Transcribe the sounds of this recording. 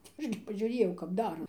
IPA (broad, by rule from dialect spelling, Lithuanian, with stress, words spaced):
tɐɪ ˈɐʃ ɡʲɪ pɐʒʲʊˈrʲeːjɛʊ kɐp ˈdɑːrɐ